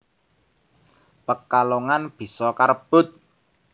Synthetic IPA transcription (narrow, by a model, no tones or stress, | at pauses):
pəkaloŋanb̥i̤sɔkaɾəb̥ʊt̪̚